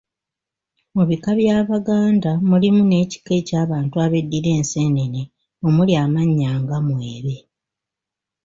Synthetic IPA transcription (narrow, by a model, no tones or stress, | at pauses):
muβikaβjaːβaɡaːndamulimune̞ːci̥ke̞caːβaːntuaβe̞dːiɾe̞ːnse̞ːnene | o̞muljaːmaɲːaːŋɡamweːβe̞